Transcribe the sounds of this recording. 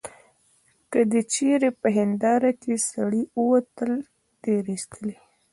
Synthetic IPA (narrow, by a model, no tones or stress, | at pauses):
kəd̪ət͡ʃeɾepəɦɪnd̪ɑɾakesaɽiəwat̪əl | t̪eɾist̪əli